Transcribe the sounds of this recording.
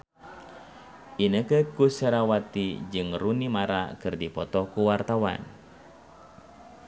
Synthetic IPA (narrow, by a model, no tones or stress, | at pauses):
ʔinəkəkusəɾawat̪id͡ʒɨŋrunimaɾa̰kɨrdipɔt̪ɔkuwart̪awa̰n